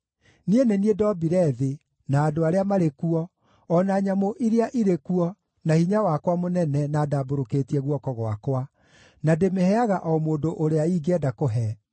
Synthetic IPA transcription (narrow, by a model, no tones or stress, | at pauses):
nieneniedɔbiɾɛðe | naːdoaɾeamaɾekuɔ | ɔnaɲamoʔiɾeaʔiɾekuɔ | nahiɲawakwamonɛnɛnaːdaːboɾokeːtiɛɣwɔkɔɣwa̰kwa | nademehɛaɣaʔɔmoːndoʔoɾeaiɡɛdakoɦɛ